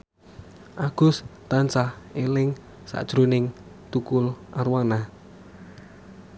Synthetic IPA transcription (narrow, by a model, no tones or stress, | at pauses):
ʔaɡ̥ʊ̤st̪ant͡ʃahelɪŋ | sa̰d̥ʒ̥ɾonɪŋ | t̪ukʊlʔaɾwana